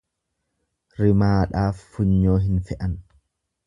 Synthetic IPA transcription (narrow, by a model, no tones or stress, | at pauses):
ɾɪmaːᶑaːfːʊɲːoːɦɪnfɛʔɐn